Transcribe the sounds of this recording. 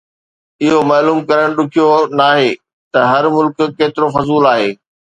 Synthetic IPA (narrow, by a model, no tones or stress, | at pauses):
ɪɦomaːluːmkɐɾəɽ̃ɗʊkʰijonaːɦeː | t̪ɐɦɐɾmʊlkkeːt̪ɪɾofɐzuːlaːɦeː